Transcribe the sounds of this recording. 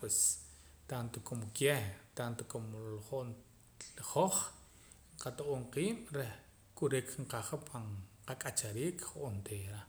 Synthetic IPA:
pwest̪ant̪okomokjet̪ant̪okomoɾlχoʔn | laχoχ | ɴqat̪oʔoːɴqiːɓ̥ɾeh | kʼuɾikʰɴqaχapʰaŋqakʼat͡ʃaɾiːkχoʔont̪eɾa

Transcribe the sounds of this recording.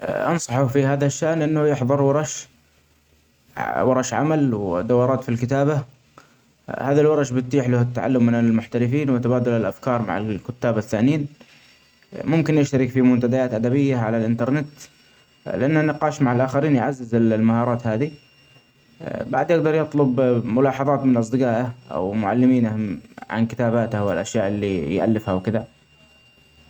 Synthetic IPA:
ʔɑ̰nsˤɑħʊfihaːðaʃːaʔnʔɪnːʊjɪħðˤɨɾˤwɑɾˤɑʃ | wɑɾˤɑʃʕa̰malwd̪awɑːɾˤɑːt̪filkɪt̪aːba | haːðalwɑɾˤɑʃ̬bɪt̪̚ːiːħlʊhat̪ːa̰ʕa̰lːʊmːɪnalmʊħt̪alɪfiːnwɪt̪abaːd̪ʊlalʔa̰fkɑːɾˤma̰ʕa̰lkʊt̪ːaːbaθːaːnɪjiːn | mʊmkɪnjɪʃt̪aɾɪkfimʊmt̪ad̪ajaːt̪ʔad̪abɪjːaʕalalʔɪnt̪ɑɾˤnɪt̪ | lɪʔanːanːɪqɑːʃmaʕalʔaːxaɾiːnjʕazːɪzɪllmahɑːɾˤɑːt̪haːði | baʕd̪jɪɡ̚d̪ɑɾˤjɨt̪ˤlʊbmʊlɑːħɑðˤɑːt̪mɪnlʔɑsˤd̪ɨɡɑːʔaʔa̰wmʊʕalːɪmiːnaʕa̰nkɪt̪aːbaːt̪ahwɪlʔa̰ʃjaːʔɪlːijʔa̰lːɪfhawkɪða

